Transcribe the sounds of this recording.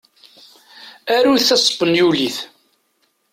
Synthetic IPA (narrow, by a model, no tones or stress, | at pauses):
æɾuθæsˤbənjuliθ